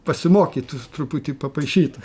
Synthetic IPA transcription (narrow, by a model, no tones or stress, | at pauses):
pɐsʲɪmoːkʲit̪ut̪ɾʊpʊt̪ʲiːpɐpɐɪʃʲiːt̪ʊ